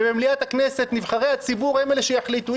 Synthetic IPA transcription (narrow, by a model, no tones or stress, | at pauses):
bemliat̪haknese̞t̪nivχaʁejat͡sibuʁhemeleʃejaħlit̪u